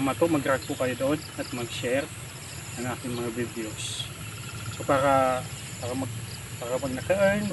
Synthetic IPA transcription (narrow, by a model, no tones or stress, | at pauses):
mɐt̪oʔmɐɡɾaɡʊkɐjod̪od̪ɐt̪̚mɐɡʃɛɾ | nɐŋʔaːk̪ɪŋmɐŋabid̪eos | sopaːɾa | paɾɐmɐɡ̚ | paːɾɐmɐɡ̚nɐkɐʔan